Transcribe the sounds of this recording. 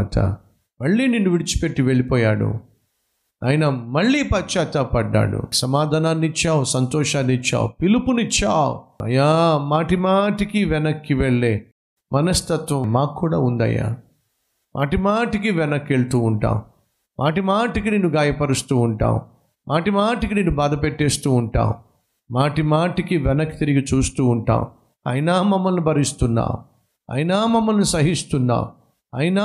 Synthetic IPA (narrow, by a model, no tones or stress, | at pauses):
t̪ʰɐ̰ | mɐɭːiːninːuʋiɽit͡ʃu̥pe̞ʈːiʋeɭipɔːjaːɽṵ | ɐjinɐmɐɭːiːpɐt͡ʃːaːt̪aːpɐɖːa̰ːɽṵsɐmaːd̪ʱaːnaːnːit͡ʃːaːwusɐnt̪ɔːʂaːnːit͡ʃːa̰ːw̰pilupunit͡ʃːaːwuɐ̰jaːmaːʈimaːʈikiʋɛnɐkːiʋeɭːeː | mʔɐnɐst̪ɐt̪ʋɐmaːkːuːɽa̰ːund̪ɐ̰ja̰ː | mʔa̰ːʈimaːʈikiʋɛnɐkːeɭt̪uːɳʈa̰ːmu | mʔaːʈimaːʈikineːnuɡaːjɐpɐɾust̪uːɳʈa̰ːmṵ | mʔaːʈimaːʈikineːnubaːd̪ɐpeʈːeːst̪uːɳʈa̰ːm | maːʈimaːʈikiʋɛnɐkːi̥t̪iɾiɡit͡ʃuːst̪uːɳʈa̰ːm | ɐ̰jɐnaːmɐmːɐlnibʱɐɾist̪unːa̰ː | ɐ̰jɐnaːmɐmːɐlnisɐɦist̪unːa̰ːm | ɐjɐnaː